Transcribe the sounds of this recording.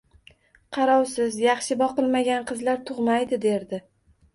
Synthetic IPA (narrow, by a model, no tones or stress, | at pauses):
qʰɑɾɒwsɪzjɑχʃɪbɒqɨlˠmaɡʲanqʰɨzlaɾt̪ʰʊʁmajd̪ɪd̪e̞ɾd̪ɪ